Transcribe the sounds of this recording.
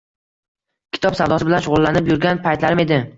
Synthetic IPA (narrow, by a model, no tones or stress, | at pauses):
kʲʰɪ̥t̪ɒpsawd̪ɒsɪbɪlanʃʊʁʊlˠːanɪpjʊɾɡʲanpʰajt̪laɾɪme̞d̪ɪ